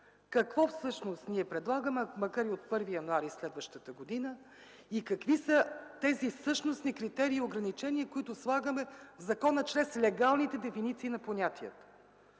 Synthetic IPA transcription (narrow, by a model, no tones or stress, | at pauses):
kɐkvɔfsɤʃnost̪niɛpɾɛd̪lˠaɡəmɛmɐkaɾiot̪̚pɤɾvijɐnʊaɾislɛd̪vəʃt̪ət̪əɡod̪inə | ikɐkvisət̪ɛzifsɤʃnosnikɾit̪ɛɾiːʊɡɾɐnit͡ʃɛnʲiəkoit̪ʊslˠaɡəmɛvzɐkɔnət͡ʃɾɛslɛɡalˠnit̪ɛd̪ɛfinit̪siːnɐponʲat̪iə̰t̪ə̥